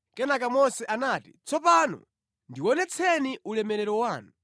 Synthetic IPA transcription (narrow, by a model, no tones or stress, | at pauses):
kɛnakamɔsɛʔanaːti̥t͡sʰɔpanɔ̰ | ndiwɔnɛt͡sʰɛniʔulɛmɛɾɛɾɔwaːnu